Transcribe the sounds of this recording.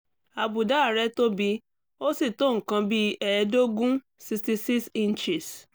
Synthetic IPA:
a˧bu˨da˦˨ɾɛ˦to˦bi˧ | o˦si˦˨to˦ŋ̩˨kã˧bi˦ɛ˦˨˧do˦ɡũ˦ | si˧sti˧si˦ksĩ˦n˦t͡ʃi˨s

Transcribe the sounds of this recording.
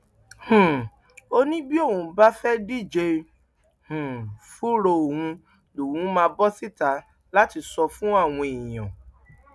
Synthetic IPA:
hũ˨ | o˧nĩ˦bi˦o˦˨ũ˨˧ba˦fɛ˦di˦˨d͡ʒe˧ | hũ˨fu˦ɾo˧o˨hũ˧ | lo˨hũ˨˦mãː˧bɔ˦si˦˨ta˨˦ | la˦ti˧sɔ˧fũ˦a˦˨w̃ɔ̃˧ẽ˨j̃ã̰˨

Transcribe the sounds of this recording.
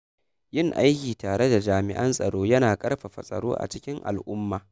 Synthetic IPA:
jɪ˦˨ŋʔa˦jkʲiː˨taː˨ɽe˦da˨d͡ʒaː˨mɪ̰˨ʔɐ˦nsʼɐ˨ɽoː˦jɐ˦naː˨kʼɐ˦rɸa˨ɸɐ˨sʼɐ̰˨ɽo̰ː˦ʔa̰˨t͡ʃɪ˦kʲɪ˦ŋʔa̰˨lʔʊ˦mːaː˨

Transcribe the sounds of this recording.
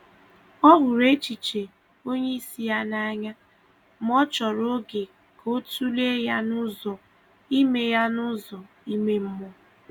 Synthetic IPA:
ɔ˦ɦʊ˨ɾe˦t͡ʃi˨t͡ʃe˨ | o˦ɲe˦i˦si˦ja˦na˦ɲa˦ | m˦ɔ˦t͡ʃɔ˨ɾo˦ɡe˨ | kʰo˦tu˦le˦ja˦nʊ˦zɔ˨ | i˦me˨ja˦nʊ˦zɔ˨ | i˦me˦m̩˦mɔ˦

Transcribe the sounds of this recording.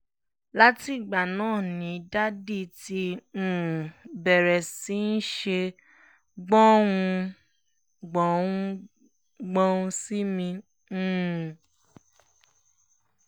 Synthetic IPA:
la˦ti˦˨ɡ͡ba˨nãː˦˨nĩ˨˦da˦di˧˨tĩ˧˦˨ | bɛ˨ɾɛ˨si˨˦n̩˦ʃe˧ | ɡ͡bɔ̃˦wũ˧ | ɡ͡bɔ̃˨˦wũ˦ | ɡ͡bɔ̃˦ũ˧si˦mĩ˧˦˨

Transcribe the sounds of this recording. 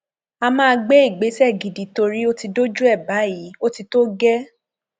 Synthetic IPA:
a˧mãː˦˧ɡ͡be˦i˦˨ɡ͡be˨˦sɛ˦˨ɡi˨di˨˦to˧ɾi˦o˦ti˧do˦d͡ʒu˦ɛ˦˨ba˨˦ji˨˦o˦ti˧to˦ɡɛ˦

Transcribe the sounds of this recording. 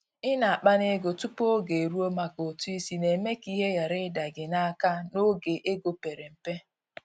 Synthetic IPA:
ɪ˦na˨a˨k͡pa˦ne˦ɡo˨tu˦po˦ɡe˨ɾu˦o˦ma˨ko˨tu˦i˦si˦ne˨me˦ki˦ɦe˦ja˨ɾɪ˦da˨ɡɪ˨na˦a˦ka˦no˦ɡe˨ʔe˦ɡo˨pe˨ɾe˨m̩˨pe˦

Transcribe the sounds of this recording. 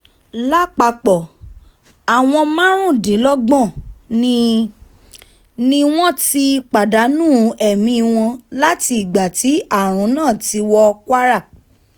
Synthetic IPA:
la˦k͡pa˧k͡pɔ˨ | a˨w̃ɔ̃˧mã˦ɾ̃ũ˦˨dĩ˨˦lɔ˦ɡ͡bɔ̃˦˨ | nĩ˧w̃ɔ̃˦ti˧˦k͡pa˨da˨˦nũː˦˨ɛ˨mĩ˧w̃ɔ̃˧la˦ti˧i˨ɡ͡ba˨ti˨˦a˦˨ɾ̃ũ˨˦nãː˦˨ti˧wɔ˧kwa˦ɾa˦˨

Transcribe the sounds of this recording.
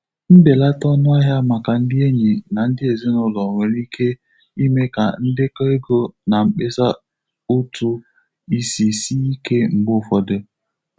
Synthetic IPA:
m̩˦be˨la˦tɔ˦nʊ˦a˦ɦja˦ma˨ka˨n̩˦dɪ˦e˦ɲi˨na˨n̩˦dɪ˦e˨ze˦nʊ˦lɔ˨ŋʷe˨ɾi˦ke˦ | i˦me˦ka˨n̩˦dɪ˦ka˦e˦ɡo˦na˨m̩˦k͡pe˦sa˦ | u˦tu˦ | i˦si˨si˦i˦ke˦m̩˨ɡ͡bʊ˦˨fɔ˨dɪ˦

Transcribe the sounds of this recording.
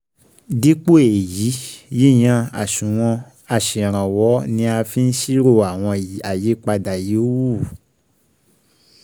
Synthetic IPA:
di˦k͡po˦e˨ji˨˦ji˦˨j̃ã˦˧a̰˨ʃũ˨w̃ɔ̃˧ | a˨ʃĩ˨ɾ̃ã˨wɔ˨˦nĩ˧˦a˧fi˦n̩˦ʃi˦ɾo˧a˨w̃ɔ̃˧a˨je˨˦k͡pa˧da˨je˨˦o˦wu˦˨

